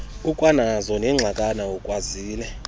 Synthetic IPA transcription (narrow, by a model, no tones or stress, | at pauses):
ukʼwanazɔnɛŋ͡ǁʱakʼanaukʼwaziːlɛ